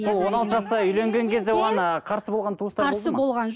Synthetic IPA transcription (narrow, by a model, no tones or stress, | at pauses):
so̞lˠwo̞nɑlˠt̪əʒɑst̪ɑʏjle̞ŋɡʲe̞ŋkʲʰe̞zd̪ewoʁɑnqʰɑɾsəbolˠʁɑnt̪ʰuəst̪ɑɾosəbo̞lˠʁɑnʒ